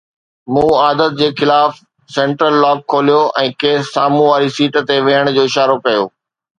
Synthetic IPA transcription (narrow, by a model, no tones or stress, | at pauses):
mũːaːd̪ət̪̚d͡ʑeːxɪlaːf | sɛ̃ːɳʈɾəlːaːb̚kʰoːlijoʔɛ̃ːkeːsːaːmũʋaːɾisiːʈt̪eʋẽəɽ̃d͡ʑoːɪʃaːɾokɐjo̰ː